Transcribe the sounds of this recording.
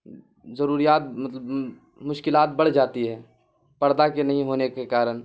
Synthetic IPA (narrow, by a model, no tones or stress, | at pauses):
zɐɾuːɾijaːt̪̚mɐt̪ləb | mʊʃkɪlaːt̪̚bɐɽ̤d͡ʒaːt̪iɦɛː | pɐɾd̪akenɐɦĩɦoːnekekaːɾən